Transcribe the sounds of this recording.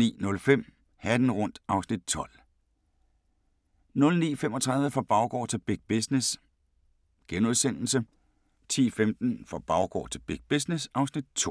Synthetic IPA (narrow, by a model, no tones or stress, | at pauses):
ḭːnɔ̽lfem̰ | hæd̥n̩ʁɔ̽n̰d̥ɑ̈ʊsnid̥̚t͡sʰɒ̽l̰ | nɔ̽lnḭːfem̰ɒt͡sʰʁɑ̈ðˠʋəfɒb̥ɑ̈ʊɡ̥ɒ̰ːt͡sʰe̝lb̥eɡ̥̚b̥esnes | ɡ̥enuðˠsen̰l̩sə | t͡sʰḭːfemd̥n̩fɒb̥ɑ̈ʊɡ̥ɒ̰ːt͡sʰe̝lb̥eɡ̥̚b̥isnesɑ̈ʊsnid̥̚t͡sʰo̝̰ː